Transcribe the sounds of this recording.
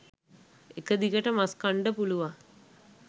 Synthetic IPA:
ekəd̪ikəʈəmaskaɳɖəpuluʋa

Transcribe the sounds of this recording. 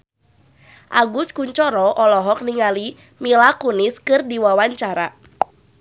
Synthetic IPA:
ʔaɡuskuɲt͡ʃɔɾɔʔɔlɔɦɔk̚niŋali | milakuniskɨrdiwawaɲt͡ʃaɾa

